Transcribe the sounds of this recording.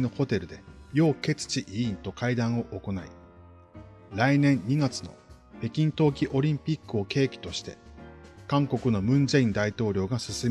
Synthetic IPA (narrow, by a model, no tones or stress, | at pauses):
noho̞t̪e̞ɾɯ̟d̪e̞jo̞ːke̞t͡sɨ̥t͡ɕiʔiĩnt̪o̞kaid̪ãɰ̃o̞ʔoko̞naḭ | ɾainẽ̞ɲɲːiɡat͡sɨno̞̰ | pe̞kʲĩnt̪o̞ːkʲiʔo̞ɾʲĩmpʲikːɯ̟o̞ke̞ːkʲi̥t̪o̞ɕi̥t̪e̞kãŋko̞kɯ̟no̞mɯ̟̃ɲ̟d͡ʑeĩnd̪ait̪o̞ːɾʲo̞ːɡasɨsɨ